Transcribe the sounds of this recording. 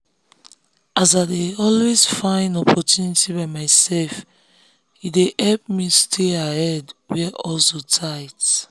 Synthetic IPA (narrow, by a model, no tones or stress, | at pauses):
ʔazadeɔlwezfãɪ̃nɔpʰɔtjunitiβaɪmaɪsɛlf | ideʔɛlp̚mistʰeahɛdwɛʔɔlsotʰaɪt